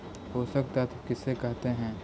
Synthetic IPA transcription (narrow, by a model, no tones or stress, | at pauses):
ɦoːsɐk̚t̪aɦɛt̪okɪsːekɛɦt̪eɦɛ̃ː